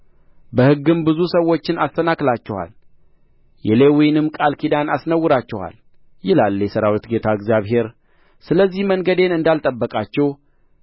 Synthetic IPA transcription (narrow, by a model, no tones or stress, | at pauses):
bəhɨɡːɨmbɨzusəwːo̞t͡ʃːɪnast̪ənaklat͡ʃːɛha̰l | jɛlewɔjnɨmkʼalkʰid̪anasnəwːɨɾat͡ʃːɛha̰l | jɪlaljɛsəɾawit̪ɡe̞t̪ʰaɨɡzjaβɦe̞ɾ | sɨləzːihməŋɡəd̪e̞nɨnd̪alt̪ʼəbːəkʼat͡ʃːɛw